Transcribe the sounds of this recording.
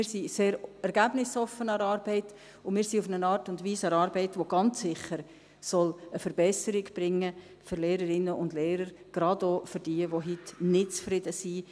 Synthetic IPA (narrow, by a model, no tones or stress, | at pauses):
ɪːɾsiseːɾɛɾɡ̥æbnɪsɔfːənɑɾɑːɾbɛɪt | ʊmɪːɾsiʊfənənɑːɾtʊndʋiːsɑɾɑːɾbɛɪtʋoɡ̥ɑnt͡ssɪχəɾ | sɔləfəɾb̥ɛsəɾɪɡb̥ɾɪŋːə | fʏɾleːɾəɾɪnːəʔʊndleːɾəɾ | ɡ̥ɾɑdofʏɾd̥iːəʋoɦitnɪtt͡sfɾɪdəsi